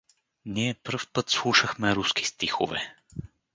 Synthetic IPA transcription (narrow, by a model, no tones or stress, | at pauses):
niɛpɾfpɤt̪slˠuʃəxmɛɾuski̥st̪ixo̰vɛ̰